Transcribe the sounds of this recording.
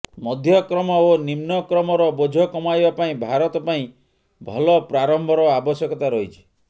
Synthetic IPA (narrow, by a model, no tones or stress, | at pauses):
mɔd̪ʱjɔkɾɔmɔonimnɔkɾɔmɔɾɔbod͡ʒʱɔkɔmajbapaĩbʱaɾɔt̪ɔpaĩ | bʱɔlɔpɾaɾɔmbʱɔɾɔabɔsjɔkɔt̪aɾɔɦit͡ʃʰi̥